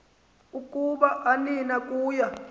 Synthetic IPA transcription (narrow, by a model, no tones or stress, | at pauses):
ukʼuɓaʔaninakʼuːja